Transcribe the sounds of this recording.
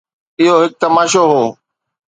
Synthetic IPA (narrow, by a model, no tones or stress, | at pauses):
ɪɦoːɦɪk̚t̪əmaːʃoːɦoː